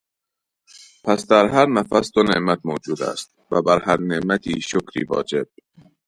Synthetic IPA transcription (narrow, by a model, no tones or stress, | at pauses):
pʰæsd̪æɾhɦæɾnæfæsd̪̥oneʔmæt̪moːd͡ʒuːd̪æ̰st̪̚ | væbæɾhæɾneʔmæt̪ʰiːʃokɾḭːvɒ̰ːd͡ʒeb̥̚